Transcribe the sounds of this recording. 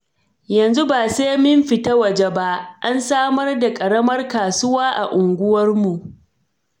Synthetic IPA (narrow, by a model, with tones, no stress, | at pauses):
jɐ˨nzu˦baː˨seː˦mʊ˦mɸɪ˨ta˦wɐ˨d͡ʒe˦ba˦ʔʔa˦nsaː˦mɐ˦rda˨kʼɐ˨ɽɐ˦mɐ˦rkaː˨sʊ˦waː˦ʔa̰˨ʔʊ˨ŋɡʷʊ˦wɐ˦rmu˨ʔ